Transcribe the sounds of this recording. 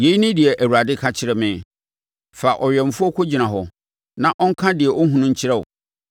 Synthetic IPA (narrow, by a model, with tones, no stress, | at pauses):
je˨˦i˦nɪ̃˦dɪ˨ɛ˨ʔæ˨wu˨ɾa˨dɪ˦kʰa˦t͡ɕʰɪ˦ɾɛ˦mɪ̃˨ | fa˨ʔɔ˨ɥɛ˨m̩˨fʊ˦ɔ˦kʰo˦d͡ʑi˨nã˨ɦɔ˨ | nã˦ʔɔ̃˦ŋ̩˦kʰã˦dɪ˨ɛ˨ʔɔ˦ɦũ˦nʊ̃˦ɲ̩˦t͡ɕʰɪ˦ɾɛ˦˨ʊ̰˨